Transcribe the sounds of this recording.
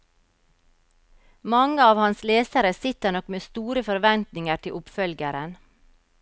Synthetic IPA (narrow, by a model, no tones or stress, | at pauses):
mɑŋəɑːʋhɑnsleːsəɾəsɪt̪əɳɔkmeːst̪uːɾəfɔɾʋɛnt̪nɪŋəɾtʰɪʔʊpfœlɡəɾən